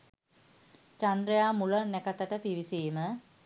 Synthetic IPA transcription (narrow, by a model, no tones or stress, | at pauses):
t͡ʃandɾejaːmulənnækət̪əʈəpiʋisiːmə